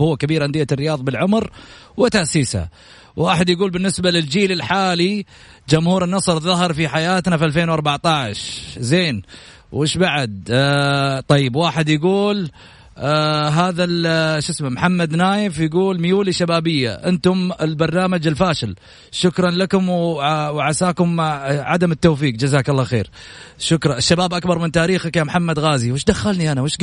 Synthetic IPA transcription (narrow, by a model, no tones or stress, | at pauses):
hʊːakabiːɾʕand̪ɪːarːɪjɑːðˤbɪlʕʊmɾ | wɪt̪aʔsiːsha̰ | waːħɪd̪jaɡuːlbɪnːɪsbalɪld͡ʒiːlɪlħaːli | d͡ʒʊmhuːɾɪnːɑsˤɾˤðɑɦɑɾˤfiħajaːt̪nafiʔalfeːnwɑɾˤbaʕt̪aʕʃzeːn | wʔɪʃbaʕad̪̚ | t̪ˤɑjːɪbwaːħɪd̪jaɡuːl | ɦaːðalʃɪsmamħamːad̪naːjɪfjɪɡuːlmjuːliʃabaːbɪjːa̰ʔɪnt̪ʊmɪlbɑɾˤnaːmad͡ʒɪlfaːʃɪl | ʃʊkɾˤɑnlakʊmwwʕasaːkʊmʕa̰d̪amɪt̪ːoːfiːqd͡ʒazaːkɑlːɑxḛːɾ | ʃʊkɾˤɑɪʃːabaːbʔakbɑɾˤmɪnt̪aːɾiːxakjamħamːad̪ɣaːziwɪʃd̪axːalniʔanawɪʃ